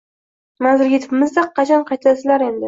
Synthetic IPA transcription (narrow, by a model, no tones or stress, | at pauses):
mazɪɾɡʲɪt̪ʰʊ̥pɪmɪzd̪aqʰːɑt͡ʃʰanqʰɑjt̪ʰasɪlaɾe̞nd̪ɪ